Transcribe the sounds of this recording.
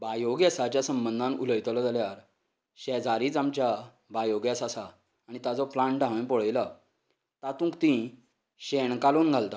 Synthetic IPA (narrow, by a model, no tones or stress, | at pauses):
bajoɡjəsat͡ɕjasəmbənd̪ʱãnṵləjt̪lɔd͡zaljaɾ | ɕɛd͡zaɾiːd͡zamt͡ɕja | bajoɡjasasaː | ɽ̃it̪at͡sɔplãɳʈɖʱãʋẽnpoɭəjla | t̪at̪ũːkt̪ĩ | ɕeɳkaloːnɡʱalt̪a